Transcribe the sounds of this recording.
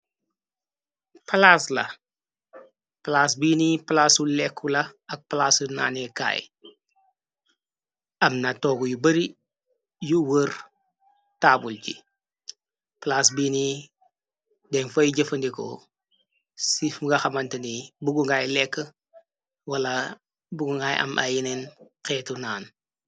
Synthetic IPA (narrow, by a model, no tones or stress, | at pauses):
palaslɐ̰ | plaːsbiːniplasulɛkʰːulɐɐk̚plasuna̰ːneka̰ːj̰ | ɐmnatoːɡujubɐɾi | juwəɾ | taːbulɟḭ | plaːsbiːni | dɛnfɐjɟəfɐndiko̰ | sifɡɐxɐmɐntɐnibuɡuŋɡaːjlɛkːə | wɐla | buɡuŋɡaːjʔɐ̰mʔa̰jinenkɛːtunaːn